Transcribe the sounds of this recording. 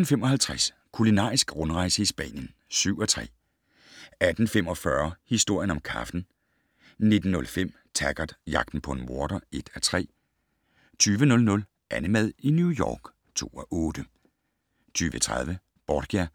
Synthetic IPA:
n̩fem̰ɒ̽hælt͡sʰʁæs | kʰulinɑ̰̈ːisɡ̥ʁɔ̽nʁɑ̈ɪsəisb̥ɛ̰ːnjən | syʊ̰ɒt͡sʰʁɛ̰ː | æd̥n̩femɒ̽fɶɐhisd̥o̝ɐ̰jənɒ̽mkʰɑ̈fd̥n̩ | ne̝d̥n̩ːɔ̽lfem̰ | t͡sʰæɡ̥ɐd̥jɑ̈ɡ̥d̥n̩pʰɒ̽e̝nmo̝ɐɾ̥ɐe̝d̥æt͡sʰʁɛ̰ː | t͡sʰyːʋənɔ̽lnɔ̽l | ʔænəmæð̞ˠinjujɒ̰ːɡ̥ | t͡sʰo̝̰ːɒʔɔːd̥ə | t͡sʰyːʋət͡sʰʁɑð̞ˠʋə | b̥ɒd̥ɡ̥æ

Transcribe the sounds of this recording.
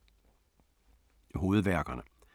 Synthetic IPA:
ɦo̝ːð̞̩ˠʋæɐɡ̥ɐnə

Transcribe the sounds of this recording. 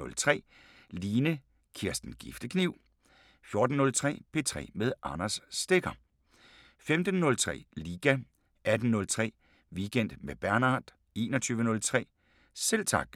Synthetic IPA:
ɔ̽lt͡sʰʁɛ̰ː | liːnə | kʰiɐ̰sd̥n̩ɡ̥ifd̥əkʰniʊ̰ | fjo̝ɐd̥n̩ːɔ̽lt͡sʰʁɛ̰ːpʰe̝t͡sʰʁɛ̰ːmeð̞ˠʔɑnɐsːd̥e̝ɡ̥ɐ | femd̥ən̩ːɔ̽lt͡sʰʁɛ̰ːliːɡ̥æ | æd̥n̩nɔ̽lt͡sʰʁɛ̰ː | ʋiɡ̥en̰d̥meb̥æɐnɑ̰̈ːd̥ | e̝ːnɒt͡sʰyːʋənɔ̽lt͡sʰʁɛ̰ː | selt͡sʰɑ̈ɡ̥

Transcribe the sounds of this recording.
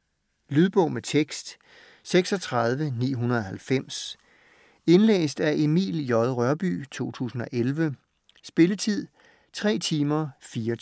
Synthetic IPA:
lyðˠb̥ɔ̽ʊ̰met͡sʰeɡ̥sd̥ | seɡ̥sɒ̽t͡sʰʁɑð̞ˠʋənḭːɦunɐð̞ˠɒ̽hælfem̰s | e̝nlḛːsd̥æʔemḭːljɒ̽ðˠʁɶɐb̥y̰ːt͡sʰo̝̰ːt͡sʰṵːsn̩ɒ̽ʔelʋə | sb̥e̝lət͡sʰið̰ˠ | t͡sʰʁɛ̰ːt͡sʰiːmɐfiːɐ

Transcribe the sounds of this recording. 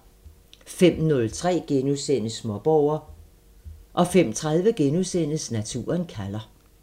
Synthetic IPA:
fem̰nɔ̽lt͡sʰʁɛ̰ːɡ̥enusen̰əsmɒ̽b̥ɒʊ̰ɐ | ʔɒ̽fem̰t͡sʰʁað̞ˠʋəɡ̥enusen̰əsnæt͡sʰṵːɐnkʰælɐ

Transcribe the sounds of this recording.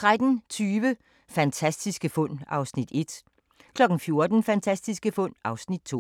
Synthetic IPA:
t͡sʰʁad̥n̩t͡sʰyːʋə | fænt͡sʰæsd̥isɡ̥əfɔ̽n̰ɑ̈ʊsnid̥e̝d̥ | kʰlɒ̽ɡ̥n̩fjo̝ɐd̥n̩fænt͡sʰæsd̥isɡ̥əfɔ̽n̰ɑ̈ʊsnid̥̚t͡sʰo̝̰ː

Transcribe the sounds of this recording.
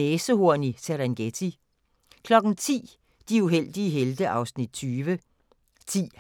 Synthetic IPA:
eːsəho̝ɐ̰niseɾænɡ̥et͡sʰi | kʰlɒ̽ɡ̥n̩t͡sʰḭː | d̥iuɦel̰d̥iəɦeld̥əʔɑ̈ʊsnid̥̚t͡sʰyːʋə | t͡sʰḭː

